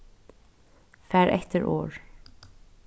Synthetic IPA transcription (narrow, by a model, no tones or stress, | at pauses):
fæːɹʔɛ̰t̪əɹʔo̰ːɹ